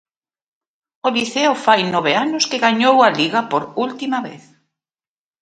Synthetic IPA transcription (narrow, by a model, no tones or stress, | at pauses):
oliθeʊfajnɔβ̞eanʊskeɣaɲowɐliɣɐpoɾult̪imɐβḛθ